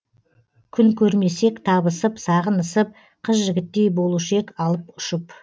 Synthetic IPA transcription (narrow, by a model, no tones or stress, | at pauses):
kʲʰʏŋkʲʰɵɾme̞se̞kt̪ʰɑbəsəpsɑʁənəsəp̚ | qʰəsʒɪɡʲɪt̪ːe̞jbo̞lˠuʃəe̞kɑlˠəpʊʃəp